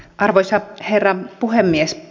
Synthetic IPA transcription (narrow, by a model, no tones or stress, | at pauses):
ʔɑrʋoisɑherːɑpuhemːies